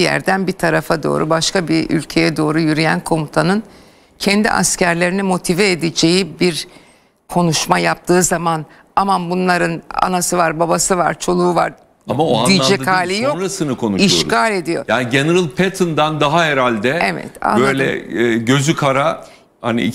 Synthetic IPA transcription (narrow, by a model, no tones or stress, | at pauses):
jæ̰ɾd̪ænbit̪ʰaɾafad̪o̞̰ːɾubaʃkabiy̰lʲcʰe̞jɛd̪o̞ːɾujyɾijænkʰo̞mut̪ʰanɯn | cʰɛnd̪ḭʔa̰scæɾlʲeɾinimo̞t̪ʰivɛːd̪ed͡ʒe̞jibiɾ | kʰo̞nuʃmajap̚t̪ʰɯːzaman | amanbunlˠaɾɯna̰nasɯvaɾbabasɯva̰ɾt͡ʃʰo̞lˠuuva̰ɾ | amaoaij̪ˠad͡ʒɛd̪haːlʲijonɾasɯnɯkʰo̞nuʃiʃkaːlʲe̞d̪ijo̰jaːniɟeneɾɯlˠpʰet̪ʰɯnd̪and̪aɦaɦeɾalʲd̪ɛevɛ̰t̪a̰bøajlʲɛ̰ːɟø̞zykʰaɾa | ha̰nḭḭ